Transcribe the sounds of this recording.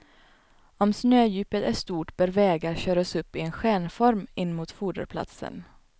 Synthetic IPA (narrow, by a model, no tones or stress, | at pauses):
ɔmsnøːjʉ̟ːpət̪æʂt̪uːʈb̥ɛɾvɛːɡaɾɕœːɾasɵpːɪɛnɧæːɳfɔɾmɪnːmuːt̪fuːɖə̰ɾpʰla̰t̪sə̰n